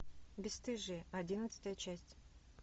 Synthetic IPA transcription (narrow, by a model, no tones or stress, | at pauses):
bʲɪst̪ɨʐɨɐdʲinət̪sɨ̥t̪əjət͡ɕæsʲtʲ